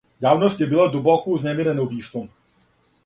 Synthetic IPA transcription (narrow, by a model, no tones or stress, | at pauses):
jaːvnost̪cɪbɪladobakuznɛmiɾɛnowviːskom